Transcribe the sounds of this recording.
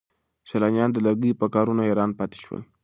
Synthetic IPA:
ʃalɑnjɑnd̪əlaɾɡəjpəkɑɾunojaɾɑnpɑt̪e̥ʃwə̰l

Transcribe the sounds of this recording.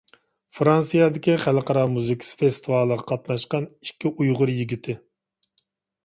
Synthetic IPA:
fɾɑnsijɑd̪ɪkʲiχælqʰɑɾɑmuzɨkʲʰsfest̪ʰɨvɑlˠəʁɑqʰɑt̪nɑʃqɑni̥kʲːiʔujʁʊɾjiɡʲit̪ʰɪ

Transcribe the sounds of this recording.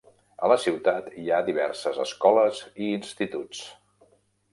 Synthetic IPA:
ələsiwt̪at̪iaðiβ̞ɛ̰rsəzəskɔləziːnst̪it̪ut͡s

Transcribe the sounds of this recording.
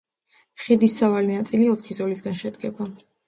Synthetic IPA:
χɛd̪isːavalinat̪sʼiliɔt̪ʰχizɔlisɡanʃɛd̪ɡɛba

